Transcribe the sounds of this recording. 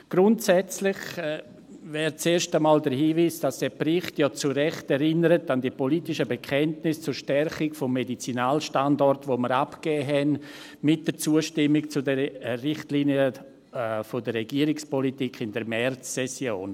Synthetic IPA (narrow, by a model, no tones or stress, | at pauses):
ɡ̥ɾʊntsɛt͡slɪχ | vɛːɾt͡seːʃtəmaːldəɾhiːviːsd̥asd̥ɛːpɾɪχtjɔt͡suɾɛχtɛɾɪnəɾətandiəpoliːtɪʃəbekʰɛntnɪst͡sʊɾʃtɛrχɪkfɔmːedit͡sinaːlʃtandɔrtvoməɾapkɛːɦɛn | mɪt̚d̥əɾt͡suəʃtɪmɪkt͡sʊdərɪχtliːnjə | fodərːɛɡiəɾɪkspɔlitikʰɪndəɾmɛɾt͡sːɛsjoːn